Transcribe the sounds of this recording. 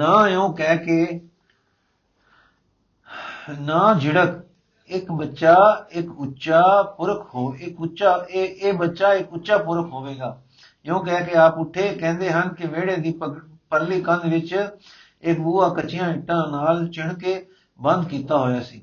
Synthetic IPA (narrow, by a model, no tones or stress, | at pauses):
nãːɪõːkɛːkeː | naːd͡ʒɪɽək | ɪkbətːʃaːɪkʊtːʃaːpʊɾəkʰɦoːɪkʊʃaːeːbətːʃaːɪkʊtːʃaːpʊɾəkʰɦoːʋeːɡaː | ɪõːkɛːkeaːpʊʈʰːeːkɛ̃ːnd̪eːɦənkɪmeːɽeːd̪iːpəɾliːkə̃nd̪ʋɪt͡ʃ | ɪkbuːaːkət͡ʃɪjãːɪʈːãːnaːlt͡ʃɪɳkeː | bə̃nd̪kiːt̪aːɦoːjaːsiː